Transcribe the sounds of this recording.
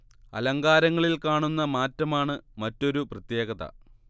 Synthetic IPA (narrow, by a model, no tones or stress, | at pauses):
ɐ̰lɐŋɡaːɾɐŋːɐɭilkaːɳunːɐmaːtːɐmaːɳɨmɐtːo̞ɾuprɐt̪je̞ːɡɐðɐ̰